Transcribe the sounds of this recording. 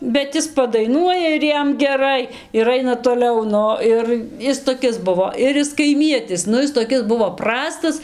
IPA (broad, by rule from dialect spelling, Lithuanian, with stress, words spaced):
bʲɛt ˈɪs pɐdɐɪˈnuɔjɛ ɪr ˈjɛm ɡʲɛˈrɐɪ ɪr ˈɐɪnɐ toːˈlʲɛʊ ˈnʊ ˈɪr ˈɪs toːˈkʲɪs ˈbʊʋoː ɪr ˈjɪs kɐɪˈmʲiɛtʲɪs ˈnʊ ˈɪs toːˈkʲɪs ˈbʊʋoː ˈprɑːstɐs